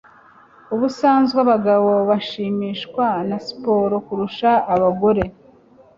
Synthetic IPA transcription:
uβusaːnzɡaβaɡaβo̞βaʃiːmiːʃkwanasi̥po̞ɾokuɾuʃaːβaɡo̞ɾe̞

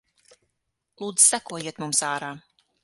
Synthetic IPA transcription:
lˠuːd̪z̥sækuɔjiɛt̪mumsaːɾaː

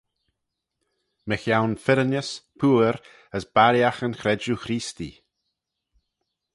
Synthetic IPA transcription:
məxjawnfɪɾənəspʰuːɾ | əsbaɾjaxənxɾɛd͡ʒuxɾiːst̪ḭ

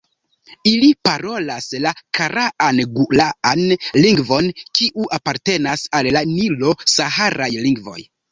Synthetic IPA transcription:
ilipaɾo̞laslakʰaɾaʔanɡulaanliŋɡvo̞nkiʔuʔapaɾte̞nasalːanilo̞sahaɾajliŋɡvo̞̰j

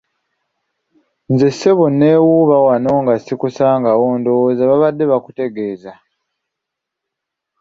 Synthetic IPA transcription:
nzesːe̞βunːeːwuβawano̞ŋɡasikusaːŋɡawoːndowzaβaβadːe̞βakute̞ɡe̞ːza

